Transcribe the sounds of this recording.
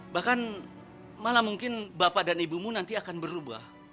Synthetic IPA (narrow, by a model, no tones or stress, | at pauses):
bahkan | malamuŋkɪnbapadanibumunant̪iakanbərɾuba̰h